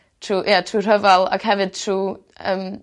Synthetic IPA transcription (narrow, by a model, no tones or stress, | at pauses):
tʰrujatʰruːr̥əvalˠa̰ɡ̥hɛvɨd̪̥̚tʰruː | əm